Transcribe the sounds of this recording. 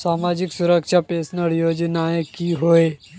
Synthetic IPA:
saːmaːd͡ʒɪksʊɾəkʃapeːsnəɾjoːd͡ʒnaekiɦoe

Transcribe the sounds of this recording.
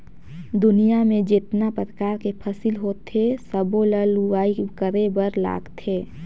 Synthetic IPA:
d̪ʊnijamẽd͡ʒet̪napəɾəkaːɾkepʰəsilɦoːt̪ʰːesəboləluaːikəɾebəɾla̰ːɡt̪eː

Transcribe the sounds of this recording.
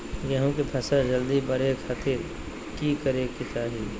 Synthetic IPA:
jɐɦũkepʰɐsad͡ʒəld̪ibəɾeːkhɐt̪ʰiɾ | kikəɾekːɪt̪aːɦiː

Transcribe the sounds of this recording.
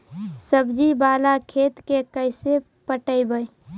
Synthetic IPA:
səbd͡ʒibaːlakʰeːt̪kekəɪse | pəʈəibəj

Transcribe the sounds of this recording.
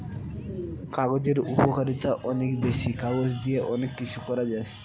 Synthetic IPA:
kaɡod͡ʑeɾupokaɾit̪aʔɔnekbeʃikaɡosd̪ijeʔɔnekːit͡ɕʰukɔɾad͡ʑae

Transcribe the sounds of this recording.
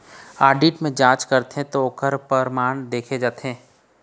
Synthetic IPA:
aːɖiːʈmẽd͡ʒãːt͡ʃkɐɾt̪eɦẽt̪ookəɾpəɾmaːɳ̃d̪eːkʰed͡ʒaːt̪eɦẽː

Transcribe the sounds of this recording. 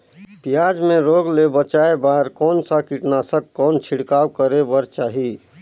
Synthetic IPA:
pijad͡ʒmẽɾoɡlebət͡ʃaebaɾkɔːnsakiʈnasəkkɔːnt͡ʃʰiɽkaːwkəɾebəɾt͡ʃaːɦi

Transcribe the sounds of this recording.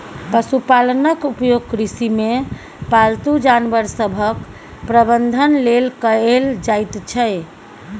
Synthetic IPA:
pəsupalənəkupjoɡ̚kɾisime | palt̪ud͡ʒanbəɾsəbʱək | pɾəbənd̪ʱənlelkəeld͡ʒajt̪t͡ʃʰə

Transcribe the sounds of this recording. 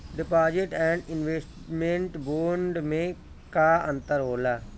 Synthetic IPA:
ɖɪpaːd͡ʒeʈɛ̃ːɳɖɪnʋeːsʈ | mẽɳʈboːɳɖmẽ | kaːə̃nt̪əɾɦoːlaː

